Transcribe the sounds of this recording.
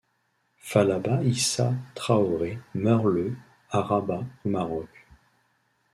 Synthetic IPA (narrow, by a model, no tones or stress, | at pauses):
falabaisat̪χaɔʁemœʁlə | aʁabaomaʁɔk